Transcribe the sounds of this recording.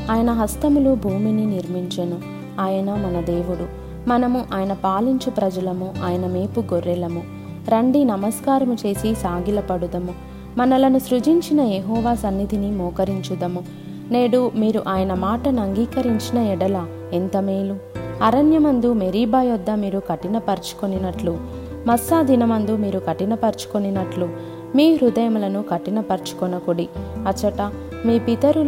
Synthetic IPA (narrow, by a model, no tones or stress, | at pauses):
aːjɐnɐɦɐst̪ɐmulubʱuːmininiɾmiɲt͡ʃɐnu | aːjɐnɐmɐnɐd̪eːʋuɽu | mɐnɐmuʔaːjɐnɐpaːliɲt͡ʃupɾɐd͡ʒɐlɐmuʔaːjɐnɐmeːpuɡoɾːɛlɐmu | ɾɐɳɖinɐmɐskaːɾɐmut͡ʃe̞ːsisaːɡilɐpɐɽud̪ɐmu | mɐnɐlɐnusɾud͡ʒiɲt͡ʃinɐjeɦɔːʋaːsɐnːid̪ʱinimɔːkɐɾiɲt͡ʃud̪ɐmu | ne̞ːɽumiːɾuʔaːjɐnɐmaːʈɐnɐŋɡiːkɐɾiɲt͡ʃinɐɛɽɐlɐ | ent̪ɐmeːluɐɾɐnjɐmɐnd̪umeɾiːbaːjɔd̪ːɐmiːɾukɐʈinɐpɐɾt͡ʃu̥koninɐʈlu | mɐsːaːd̪inɐmɐnd̪umiːɾukɐʈinɐpɐɾt͡ʃu̥koninɐʈlu | miːɾud̪ɐjɐmulɐnukɐʈinɐpɐɾt͡ʃu̥konɐkoɽiɐt͡ʃɐʈɐ | miːpit̪ɐɾu